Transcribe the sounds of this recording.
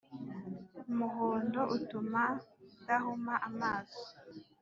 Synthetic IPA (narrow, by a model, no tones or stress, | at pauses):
umuɦoːndo̞ʔutumadahumaʔamaːzo